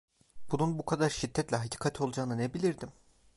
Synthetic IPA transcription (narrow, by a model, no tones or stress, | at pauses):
b̥ununbukʰad̪aɾʃid̪ːɛt̪lʲɛɦacʰi̥ːkʰat̪ʰo̞lˠd͡ʒaːnɯnebilʲiɾd̪im